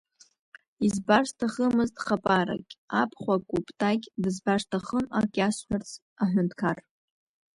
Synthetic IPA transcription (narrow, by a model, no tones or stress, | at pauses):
izbarstʰaχəmɨztʼχapʼaɾa̰kʲʼapʰχʷakʷʼupʼtʰʼakʲʼdɨzbaʂtʰaχəmakʲʼasħᶣart͡sʰ | aħʷᶣʊntʰkʰar